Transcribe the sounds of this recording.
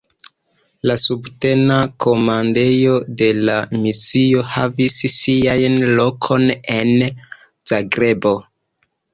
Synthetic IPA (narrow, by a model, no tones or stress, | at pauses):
lasubte̞nakʰo̞mande̞jo̞de̞lamisio̞ha̰vissiajnlo̞kʰo̞ne̞n | z̥aɡɾe̞bo̞